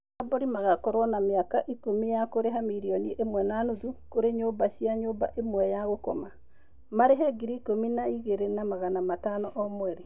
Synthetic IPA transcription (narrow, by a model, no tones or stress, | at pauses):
abɔɾimaɣakɔɾwɔnameakaʔikomijakoɾeɦamiɾiɔniʔemwɛnanuðukoɾeɲobaʃiaɲoːba̰ʔemwɛjaɣokɔma | maɾeɦɛɡiɾiikominaiɣeɾenamaɣanamatanɔʔɔmwɛɾe